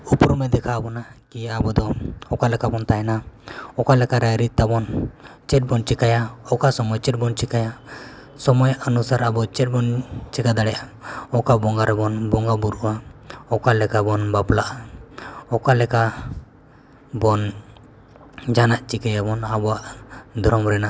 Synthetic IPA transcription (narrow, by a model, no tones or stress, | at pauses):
upɾumɛd̪ɛkʰabɔnakiabɔd̪ɔɔkalɛkabɔnt̪ajnaɔkalɛkaɾɛɾit̪̚t̪abɔnt͡ʃɛt̚bɔnt͡ʃɛkajaɔkasɔmɔjt͡ʃɛt̚bɔnt͡ʃikaja | sɔmɔjʔənusaɾabɔt͡ʃɛt̚bɔnt͡ʃɛkad̪aɽɛʔaɔkabɔŋɡaɾɛbɔnbɔŋɡabuɾuwaɔkalɛkabɔnbaplaʔa | ɔkalɛka | bɔn | d͡ʒanaʔt͡ʃikajabɔnabɔwaʔd̪ʱɔɾɔmɾɛna